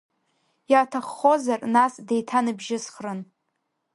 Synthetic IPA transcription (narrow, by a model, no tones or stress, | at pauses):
jatʰaχːo̞zarnasdejtʰanɨbʒɪsχrɨn